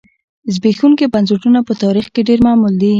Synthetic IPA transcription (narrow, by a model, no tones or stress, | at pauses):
zbexuŋkibanseʈunapət̪ɑɾixkeɖeɾmɑmuld̪i